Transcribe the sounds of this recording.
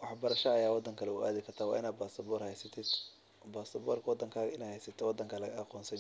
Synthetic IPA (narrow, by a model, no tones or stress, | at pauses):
wɑħbɐɾɐʃɐːjaːwɑd̪ːɐŋkʰɐlɛʊaːðɪkʰɐrt̪ʰaːwɑ̰ːʔɪnaːd̪̚baːsɐbɔːɾhɛjsɐt̪ʰɪd̪ | baːsɐbɔːrkʰɐwɑd̪ːɐŋkʰaːɣɐɪnɛjhɛjsɐt̪ʰɛwɑd̪ːɐŋkʰɐlɐɣɐɐqɔːnsɐ